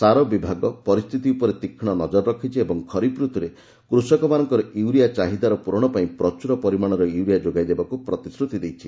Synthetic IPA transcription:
saɾɔbibʱaɡɔpɔɾist̪ʰit̪iupɔɾet̪ikʰːiɽ̃ɔnɔd͡ʒɔɾɔɾɔkʰit͡ʃʰiebɔŋkʰɔɾipɾut̪ʰuɾe | kɾusɔkɔmanɔŋkɔɾɔiwɾijat͡ʃaɦid̪aɾɔpuɾɔɽ̃ɔpaĩpɾɔt͡ʃuɾɔpɔɾimaɽ̃ɔɾɔuwɾijad͡ʒoɡajd̪ebakupɾɔt̪isɾut̪id̪ejt͡ʃʰi

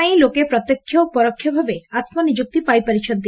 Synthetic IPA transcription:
ilokepɾɔt̪ːekʰːjopɔɾokʰːjobʱabeat̪monid͡ʑuk̚t̪ipajpaɾit͡ɕʰont̪i

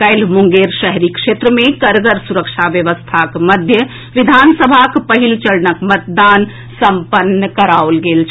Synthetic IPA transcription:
kəɪlmuŋɡeɾʃəɦɾikʃet̪ɾəmekəɾɡəɾsuɾəkt͡ʃʰabjəʋəst̪ʰakməd̪ʱjə | ʋid̪ʱansəbʱakpəɦilt͡ʃəɾnəkmət̪̚d̪an | səmpənːəkəɾaolɡelt͡ʃʰ

